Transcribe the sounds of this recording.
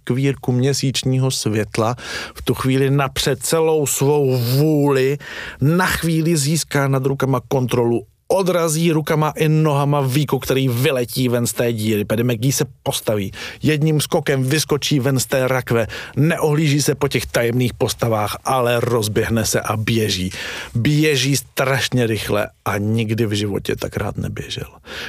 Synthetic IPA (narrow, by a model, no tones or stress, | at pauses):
kviːɾkumɲɛsiːt͡ʃɲiːɦo̞svjɛt̪laft̪uxviːlɪnapr̝̥ɛt̪t͡sɛlo̞wsvo̞wvuːlɪnaxviːlɪziːskaːnad̪ɾukamako̞nt̪ɾo̞lu | ʔo̞dɾaziːɾukamaʔɪno̞ɦamaviːkukt̪ɛɾiːvɪlɛciːvɛnst̪ɛːɟiːɾɪvɛdɛmɛɡ̚diːsɛpo̞st̪aviːjɛd̪ɲimsko̞kɛmvɪsko̞t͡ʃiːvɛnst̪ɛːɾakvɛnɛʔoɦliːʒiːsɛpo̞cɛxt̪ajɛmniːxpo̞st̪avaːxʔalɛɾo̞zbjɛɦnɛsɛ̰ʔabjɛʒiːbjɛʒiːst̪ɾaʃɲɛɾɪxlɛ̰ʔaɲɪɡdɪvʒɪvo̞̰cɛ̰t̪akɾa̰ːt̪nɛ̰bjɛ̰ʒɛ̰l